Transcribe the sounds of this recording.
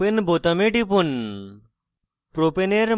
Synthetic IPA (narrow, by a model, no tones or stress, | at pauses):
enbot̪ɐmeʈipun | pɾopeneɾ